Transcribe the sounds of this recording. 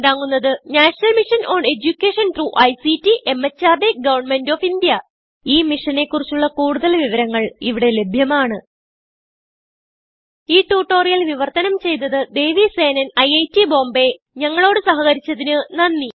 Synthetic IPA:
enɖaːŋːunːɐðɨnaːʂnɐlmiʂɐnoːɳɖe̞d͡ʑukʲːeːʂɐnt̪ruʔɐjsitːiʔemːɐt͡ɕːaːrd̪eɡɐʋɐrɳme̞ndoːfind̪jɐ | iːmiʂɐne̞kːurit͡ɕːuɭːɐkuːɽuðɐlʋiʋɐɾɐŋːɐɭiʋiɽe̞le̞bʱjɐmaːɳɨ | iːʈːuːʈːo̞ːrijɐlʋiʋɐrt̪ɐnɐmt͡ɕe̞jnːɐðɨd̪e̞ːʋise̞ːnɐnɐjɐjtːibo̞ːmbe̞ | ɲɐŋːɐɭo̞ːɽɨsɐɦɐɣɐɾit͡ɕːɐðinɨnɐnːi

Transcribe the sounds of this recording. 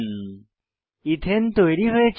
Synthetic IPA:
n | it̪ʰent̪ojɾiɦoet͡ɕʰ

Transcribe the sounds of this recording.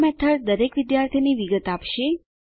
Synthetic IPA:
mɛt̪ʰəɾd̪əɾekʋɪd̪jaɾt̪ʰiniʋiɡət̪apʃe

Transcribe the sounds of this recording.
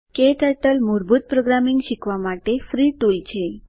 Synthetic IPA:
keʈəɾʈəlmuɾbut̪̚pɾoɡɾamiŋɡɕikʋamaʈefɾiʈult͡ɕʰe

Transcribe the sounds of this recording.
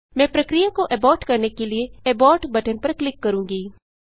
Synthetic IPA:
mɛ̃ːpɾɐkɾijakoʔɛbɔːʈkɐɾnekelieɛbɔːʈbɐʈənpɐɾklɪkːɐɾũːɡiː

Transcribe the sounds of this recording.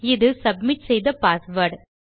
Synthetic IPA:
ɪðɯsɐbmɪʈsɛjðɐpaːsʋɐɾɖ

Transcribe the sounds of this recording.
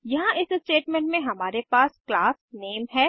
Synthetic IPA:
jɐɦãʔɪssʈeːʈmẽɳʈmẽɦɐmaːɾepaːsklaːsneːmɦɛː

